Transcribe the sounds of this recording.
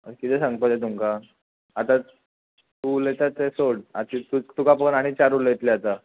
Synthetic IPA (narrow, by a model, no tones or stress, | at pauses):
ə̰kit̪ɛsãŋɡpət̪et̪̬umka | at̪a | t̪ulet̪at͡s̪esoɽat̪it̪ut̪ukapənaɽ̃it͡ɕaɾulet̪leat̪a